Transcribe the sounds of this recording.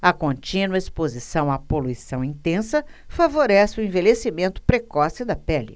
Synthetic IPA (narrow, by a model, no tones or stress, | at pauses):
ɐkõnt͡ʃĩnwɐispozisɐ̃w̃apoluisɐ̃w̃ĩnt̪ẽsɐfavoɾɛsɪʊẽvelesimẽnt̪ʊ̥pɾekɔsɪd̪ɐpɛlɪ̰